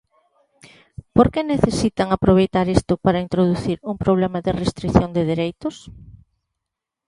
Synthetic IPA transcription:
poɾkeneθesit̪aŋapɾoβ̞ejt̪aɾest̪ʊpaɾɐint̪ɾoðuθiɾuŋpɾoβ̞lemaðɪrest̪ɾiθjond̪ɪðiɾejt̪ʊs

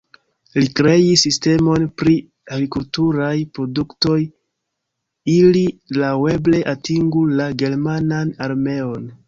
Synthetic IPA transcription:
likɾe̞jisːiste̞mo̞npɾi | aɡɾikultuɾajpɾo̞dukto̞j | ililawe̞ble̞ʔatiŋɡulaɡe̞ɾmananaɾme̞o̞n

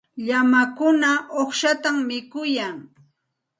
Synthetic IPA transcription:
ʎamakʊnaʔoχʃat̪ammɪkʊjaŋ

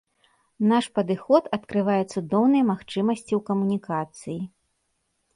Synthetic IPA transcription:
naʂpɐd̪ɨxɔt̪ɐt̪kɾɨvajɛt̪sud̪ɔwnɨjɛmaxt͡ʂɨmɐsʲt͡sʲiwkɐmunʲikat̪sɨji

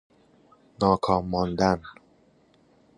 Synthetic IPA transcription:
nɒːkʰɒːmːɒːnd̪æn

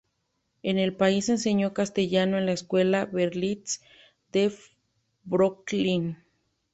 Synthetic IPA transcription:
enelpaisenseɲokast̪eʝanoenlaeskwelaβeɾlis | d̪̥e | bɾoklin

